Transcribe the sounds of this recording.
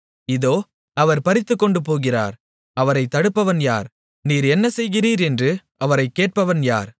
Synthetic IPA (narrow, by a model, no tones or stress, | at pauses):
ɪðoː | ɐʋɐɾpɐɾɪt̪ːɯkːɔɳɖɯpoːɣɪra̰ːɾ | ɐʋɐɾɐɪt̪ːɐɽɯpːɐʋɐnja̰ːɾ | niːɾɛnːɐsɛjɣɪriːɾɛndrɯ | ɐʋɐɾɐɪkːeːʈ̚pɐʋɐnja̰ːɾ